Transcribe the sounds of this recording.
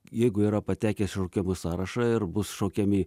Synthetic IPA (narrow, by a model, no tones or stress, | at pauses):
jɛɪɡʊiːɾɐpɐt̪ʲæːkʲɛsʃɐʊkʲɛmʊsɑːɾɐʃɐɪɾbʊsʃɐʊkʲɛmʲɪ